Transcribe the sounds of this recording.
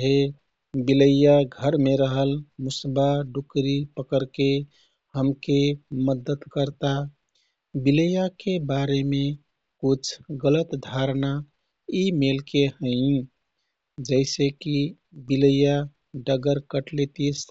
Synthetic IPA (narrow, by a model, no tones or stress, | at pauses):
ɦe | biləjaɡʱəɾmeɾəɦəlmusbaɖukɾipəkəɾke | həmkeməd̪ət̪kəɾt̪a | biləjakebaɾeme | kut͡ʃʰɡələt̪d̪ʱaɾna | imelkehəɪ̃ | d͡ʒəɪseki | biləja | ɖəɡəɾkəʈlet̪is